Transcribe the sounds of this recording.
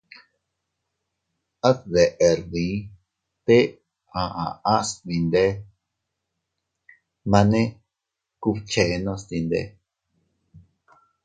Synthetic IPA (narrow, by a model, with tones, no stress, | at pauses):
a˦tðe˨ʔe˨ɾðĩ˨˦ | t̪e˦ | ã˨˧ʔã̰˨ã˦st̪ĩ˧nd̪e˦ | mã˧nẽ˦ | ku˧βt͡ʃe˨˧nõ˦˧st̪ĩ˧nd̪ḛ˦